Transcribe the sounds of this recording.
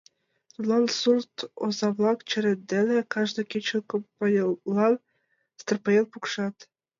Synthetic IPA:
t̪ut̪lˠɑnsurt̪ozɑβlˠɑkt͡ɕɘ̆ɾĕt̪̚d̪ĕlʲĕkɑʒd̪ɤ̆kʲet͡ɕə̆lkŏpɤjllːɑn | st̪ərpɤjelˠpukʃɑt̪

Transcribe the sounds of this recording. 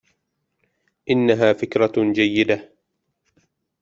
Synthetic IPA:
ʔɪnːaɦaːfɪkɾˤɑd͡ʒajːɪd̪a

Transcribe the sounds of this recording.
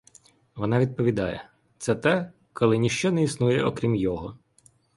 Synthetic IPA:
ʋɔnɑʋʲid̪̚pɔʋʲid̪ɑ̰jɛ̰ | t̪sɛt̪ɛ | kɔlˠɪnʲiʃt͡ʃɔnɛisnujɛɔkɾʲimjɔɦɔ

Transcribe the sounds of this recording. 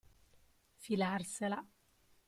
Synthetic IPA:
filaɾsɛla

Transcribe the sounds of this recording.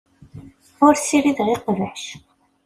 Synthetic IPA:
ʊɾsiɾiðʁiqːvəħʃ

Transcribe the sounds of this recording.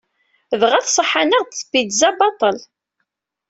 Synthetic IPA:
ðʁæθsˤəħanəʁt̪t͡sːə̥bid̪zæbɑt̪ˤəl

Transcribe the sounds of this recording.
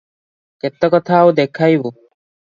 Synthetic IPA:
kɛt̪ːɔkɔt̪ʰawd̪ekʰajbo

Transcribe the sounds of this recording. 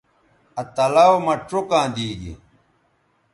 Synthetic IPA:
ɐt̪ɐlɐwomɐʈokãːd̪iːɡḭ

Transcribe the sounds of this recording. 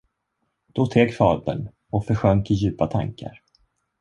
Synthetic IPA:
d̪̥ɔt̪ʰeːkfɑːd̪ə̰n | ɔkfœɾɧœŋkɪjʉ̟ːpat̪ʰa̰ŋka̰ɾ

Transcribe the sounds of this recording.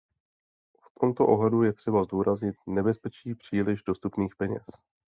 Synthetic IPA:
ft̪ʰo̞mt̪oʔo̞ɦlɛdujɛt̪r̥ɛbazduːɾazɲɪt̪̚nɛbɛspɛt͡ʃiːpr̝̥iːlɪʒdo̞st̪upniːxpɛɲɛ̰s

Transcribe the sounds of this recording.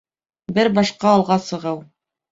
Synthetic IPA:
bɘɾbɑʃqɑːlˠʁɑsɤ̆ʁɤw

